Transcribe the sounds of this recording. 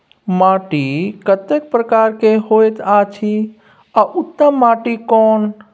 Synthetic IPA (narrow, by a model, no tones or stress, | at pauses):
maʈikət̪ek̚pɾəkaɾkeɦojt̪at͡ʃʰi | aʔut̪ːəmːaʈikɔn